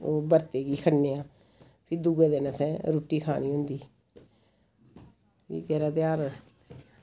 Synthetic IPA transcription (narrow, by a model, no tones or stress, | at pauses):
oːbəɾt̪eːɡiːkʰəɽneːãː | pʰɪɾd̪uɡeːd̪eːnasɛ̃ːɾuːʈːiːkʰa̰ːniːɦʊ̃nd̪iː | ḭːkɛːɾaːt̪ɪjaːɾ